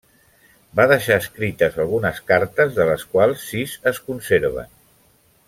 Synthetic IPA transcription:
baðəʃaəskɾit̪əzalˠɣ̞unəskaɾt̪əzðələskwalˠsːizəskunseɾβ̞ə̰n

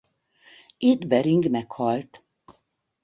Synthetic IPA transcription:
id̪bɛɾiŋɡmɛkhɒlt̪

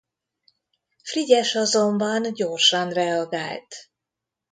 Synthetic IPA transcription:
friɟɛʃɒzombɒnɟorʃɒnrɛɒɡaːlt̪

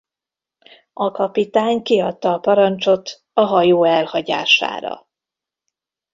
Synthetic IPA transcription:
ɒkɒpit̪aːɲkiɒt̪ːɒːpɒɾɒnt͡ʃo̞t̪ | ɒɦɒjoːɛlhɒɟa̰ːʃa̰ːɾɒ̰

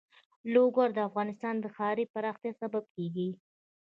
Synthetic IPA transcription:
loɡaɾd̪əafɣɑnɪst̪ɑnd̪əxɑɾipaɾɑxt̪jɑsabab̚keɡi

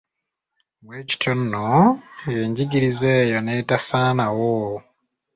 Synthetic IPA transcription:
βweːci̥tʰonːoje̞ːɲɟiɡiɾizeːjonetasaːnawo

